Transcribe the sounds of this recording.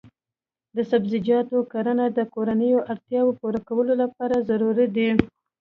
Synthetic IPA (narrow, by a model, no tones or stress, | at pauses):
d̪əsabzɪd͡ʒɑt̪okaɾənad̪əkoɾanəjoʔaɽt̪jɑwopoɾakawəlolapɑɾazaɾuɾid̪i